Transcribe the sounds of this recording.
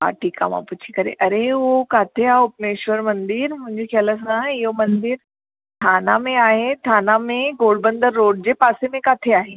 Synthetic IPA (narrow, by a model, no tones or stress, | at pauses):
ɦa̰ːʈʰiːka̰mã̰pʊt͡ɕʰikɐɾḛʔɐɾeokaːt̪ʰeaːʊpneːʃʋəɾmɐ̃nd̪ɪɾmʊ̃ɦɪ̃ɲd͡ʑekʰaləs̬ãɪɦomɐ̃nd̪ɪɾ | t̪ʰaːnamẽaːɦet̪ʰaːnamẽɡoːɭbə̃nd̪əɾːoːɽd͡ʑepaːsemẽkaːt̪ʰeaːɦe